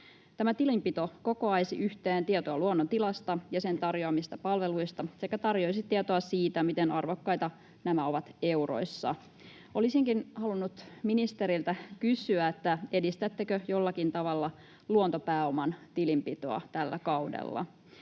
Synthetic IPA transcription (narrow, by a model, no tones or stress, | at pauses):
t̪æmæt̪ilimpit̪o̞ko̞ko̞ɑjsḭʔyçt̪eːnt̪iet̪oɑluonːont̪ilɑst̪ɑjɑse̞nt̪ɑrjoɑmist̪ɑpɑlʋe̞lujst̪ɑsekːˑæt̪ɑrjo̞jsit̪iet̪oɑsiːt̪æmit̪enɑrʋo̞kːɑjt̪ɑ | næmæo̞ʋɑt̪e̞uro̞̰jsːɑ̰ | ʔo̞lisiŋkinhɑlunːut̪minist̪e̞ɾilt̪ækysyæet̪ːæe̞dist̪æt̪ːekøjo̞lːɑkint̪ɑʋɑlːɑ | luont̪o̞pæːo̞mɑnt̪ilimpit̪o̞̰ɑ̰t̪ælːæ̰kɑwdḛlːɑ̰